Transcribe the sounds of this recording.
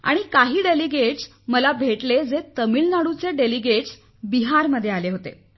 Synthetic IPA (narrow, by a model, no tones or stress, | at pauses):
a̰ɽ̃ikaɦiːɖeliɡeʈs | məlabʱeʈled͡zet̪əmiːlnaɽut͡seɖeliɡeʈs | biɦaɾməd̪ʱːjealeɦot̪ḛ